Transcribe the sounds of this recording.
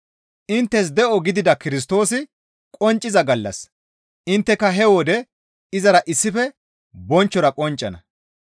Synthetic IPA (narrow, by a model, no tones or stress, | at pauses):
ʔɪnt̪ːɛs̬d̪ɛʔɔɡɪd̪ɪd̪ɐkɪɾɪs̬t̪o̞ːsɪ | kʼɔnt͡ʃʼːɪzɐɡɐlːɐ̰s | ʔɪnt̪ːɛkːɐɦɛwɔd̪ɛ | ɪzɐɾɐʔɪsːɪfɛ | bɔnt͡ʃːɔɾɐkʼɔnt͡ʃʼːɐnɐ̰